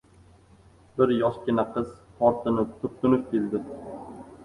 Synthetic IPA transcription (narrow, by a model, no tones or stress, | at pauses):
bɪɾjɒʃkʲɪnaqʰɨz̥t̪ʰɒɾt̪ʰɪnɪt̪ʰʊp̚t̪ʰʊnɪp̚kʰʲeld̪ɪ